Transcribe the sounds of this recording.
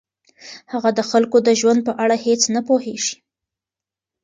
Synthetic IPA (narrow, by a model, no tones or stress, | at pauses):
haɣad̪əxalkod̪əʒwand̪̚pəʔaɽahet͡snapoheʒ̥i̥